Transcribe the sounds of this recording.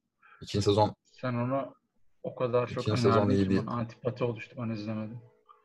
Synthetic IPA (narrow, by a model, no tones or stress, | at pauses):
icʰinsezon | sænonu | okʰad̪aɾt͡ʃʰonsezoniibia̰nt̪ʰi̥pʰat̪ʰio̞lˠuʃt̪ʰubanaizlʲeme̞d̪im